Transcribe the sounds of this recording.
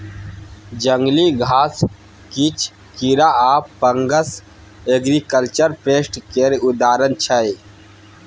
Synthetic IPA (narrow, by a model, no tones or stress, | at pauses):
d͡ʒəŋɡliɡʱaːs | kit͡ʃʰ | kiɾaaːppːəŋɡəs | eɡɾikəlt͡ʃəɾpeːsʈkeɾud̪aːɾənt͡ʃʰəj